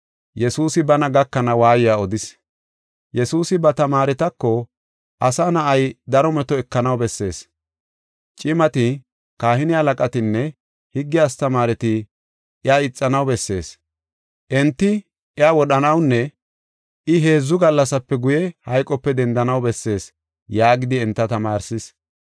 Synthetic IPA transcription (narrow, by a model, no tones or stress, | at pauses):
jɛsuːsɪbɐnɐɡɐkːɐnɐwaːjɪjaːɔd̪ɪs | jɛsuːsɪbɐt̪ɐmaːɾɛt̪ɐkːɔ | ʔɐsaːnɐʔɐjd̪ɐɾɔmɛt̪ɔɛkːɐnɐwbɛsːe̞̰ːs | t͡ʃʼɪmɐt̪ɪ | kaːhɪnɪɐlɐkʼɐt̪ɪnːɛ | hɪɡːɪast̪ɐmaːɾɛt̪ɪ | ɪaːɪt͡sʼːɐnɐwbɛsːe̞ːs | ʔɛnt̪ːɪ | ɛaːwɔɗɐnɐwnːɛ | ʔɪɦe̞ːzːʊɡɐlːɐsɐpːɛɡʊjɛhɐjkʼɔpːɛd̪ɛnd̪ɐnɐwbɛsːe̞ːs | jaːɡɪd̪ɪɛnt̪ːɐt̪ɐmaːɾsɪs